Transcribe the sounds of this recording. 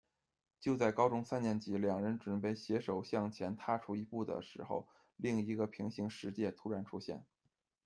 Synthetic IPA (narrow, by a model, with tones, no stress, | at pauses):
t͡ɕjo˥˧ʊt͡sa˥˩ɪkɑ˥ʊʈ͡ʂʊ˥ŋsa˥njɛ˧˥˩nt͡ɕi˧˥ljɑ˨˩ŋɻə˧˥nʈ͡ʂwə˨˩npe˥˩ɪɕjɛ˧˥ʂo˨˩ʊɕjɑ˥˩ŋt͡ɕʰjɛ˧˥nt̪ʰa˥ʈ͡ʂʰu˧˥i˧˥pu˥˩d̪ə̰˩ʂɻ̩˧˥xo̰˧ʊ | li˥˩ŋi˧˥ɡə˧pʰi˧˥ŋɕi˧˥ŋʂɻ̩˧˥t͡ɕjɛ˥˩t̪ʰu˥ɻa˧˥nʈ͡ʂʰu˥ɕjɛ̰˥˩n